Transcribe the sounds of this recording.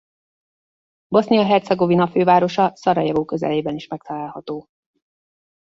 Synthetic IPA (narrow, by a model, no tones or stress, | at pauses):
bo̞snijɒɦɛrt̪sɛɡo̞vinɒføːvaːɾo̞ʃɒsɒɾɒjɒvoːkø̞zɛ̰leːbɛniʃmɛk̚t̪ɒlaːlhɒt̪oː